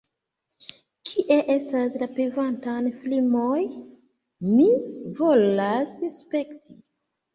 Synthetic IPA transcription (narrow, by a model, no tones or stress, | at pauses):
kʰiʔe̞ʔe̞staslapevantanflimoj | mivo̞lasspe̞ktʰi̥